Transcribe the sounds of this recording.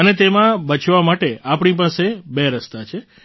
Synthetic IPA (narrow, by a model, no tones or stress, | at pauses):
ənet̪emãbət͡ʃʰʋamaʈeapɳ̃ipasebeɾəst̪at͡ʃʰe